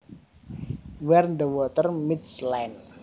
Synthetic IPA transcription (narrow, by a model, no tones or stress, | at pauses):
wɛrnd̪əwɔt̪ərmid̪slajn